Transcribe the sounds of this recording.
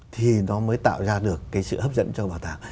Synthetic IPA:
t̪ʰi˨˩nɔ˨˦məː˨˦jt̪a̰ː˧˨wzaː˧ɗɨ˨˩əkːaː˨˦jsɨ̰˧˨həː˦˥p̚zə̰˧˥nt͡ɕɔ˧ɓaː˨˩t̪aː˨˩ŋ

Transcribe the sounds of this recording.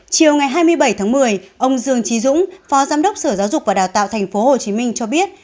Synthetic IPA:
t͡ɕi˨˩əwŋa˨˩jɦaː˧jmɨ˧əjɓə˧˩jt̪ʰaː˨˦ŋmɨ˨˩əjʔə˧wŋ͡mzɨ˧əŋt͡ɕi˨˦zʊ̰˧˥ŋ͡mfɔ˨˦zaː˧mɗə˦˥k͡p̚səː˧˩zaː˨˦wzʊ˨˩k͡p̚vaː˨˩ɗaː˨˩wt̪a̰ː˧˨wt̪ʰɛ˨˩ŋ̟fo˨˦ho˨˩t͡ɕi˨˦mï˧ŋ̟t͡ɕɔ˧ɓi˦˥ət̚

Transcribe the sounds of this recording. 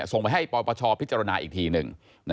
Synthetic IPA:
so˨˩ŋpa˧jɦa˥˩jpɔː˧pɔː˧t͡ɕʰɔː˧pʰi˦˥t̪t͡ɕa˧ɾa˧naː˧ʔiː˨˩t̪ʰiː˧nɯ˨˩ŋ | n

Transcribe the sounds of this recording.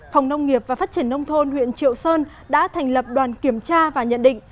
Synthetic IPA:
fɔ˨˩wŋ͡mnə˧wŋ͡mŋi˨˩əp̚vaː˨˩faː˦˥t̚t͡ɕi˧˩ənːə˧wŋ͡mt̪ʰo˧nwḭ˧˨ənt͡ɕḭ˧˨əwsəː˧n | ɗa̰ː˧˥t̪ʰɛ˨˩jŋ̟lə˨˩p̚ɗwaː˨˩nki˧˩əmt͡ɕaː˧vaː˨˩ɲə̰˧˨nɗḭ̈˧˨ŋ̟

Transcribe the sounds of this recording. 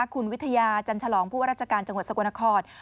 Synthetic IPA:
a˦˥˩kʰu˧nwi˦˥t̪ʰa˧jaː˧t͡ɕa˧nt͡ɕʰa˧lɔː˩˦ŋpʰuː˥˩a˥ɾaː˥˩t͡ɕʰa˧kaː˧nt͡ɕa˧ŋw̪̚sa˧ku˧na˧kʰɔː˧˩t̪̚

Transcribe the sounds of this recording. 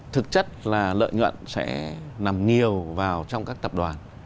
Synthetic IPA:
t̪ʰɨ˨˩k̚t͡ɕə˦˥t̚laː˨˩lə̰ː˧˨jɲwə̰˧˨nsɛ̰˧˥na˨˩mɲi˨˩əwvaː˨˩wt͡ɕɔ˧wŋ͡mkaː˦˥k̚t̪ə˨˩p̚ɗwaː˨˩n

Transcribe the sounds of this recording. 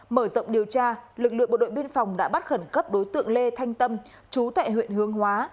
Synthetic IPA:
məː˧˩zə̰˧˨wŋ͡mɗi˨˩əwt͡ɕaː˧lɨ˨˩k̚lɨ̰˧əŋɓo̰˧˨ɗo̰˧˨jɓi˧ənfa˨˩wŋ͡mɗa̰ː˧˥ɓa˦˥t̚xə˧˩nkə˦˥p̚ɗo˨˦jt̪ɨ̰˧˨əŋle˧t̪ʰa˧jŋ̟t̪ə˧m | t͡ɕu˨˦t̪a̰ː˧˨jhwḭ˧˨ənhɨ˨˦əŋhwaː˨˦

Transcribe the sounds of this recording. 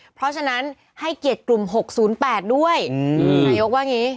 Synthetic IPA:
pʰɾɔ˦˥t͡ɕʰa˧na˦˥n | ha˥˩jki˨˩ət̪̚klu˨˩mɦo˨˩k̚suː˩˦npɛː˨˩t̪̚du˥˩əjnaː˦˥jo˦˥k̚waː˥˩ŋniː˦˥

